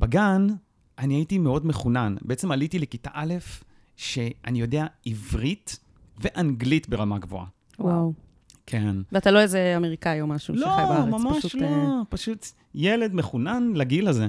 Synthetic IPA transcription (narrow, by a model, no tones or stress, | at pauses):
b̥aɡan | ʔaniaitimeo̞dme̞χunanbeet͡se̞malitilekitaʔale̞f | ʃe̞ʔanijo̞deaivʁit̪ | ve̞ʔanɡlitbeʁamaɡvoa̰ | waw | kʰenveat̪aloezeameʁikaiomaʃulʃoajabaamamaʃulopaʃut̪ | jele̞dmeχunanlaɡilaze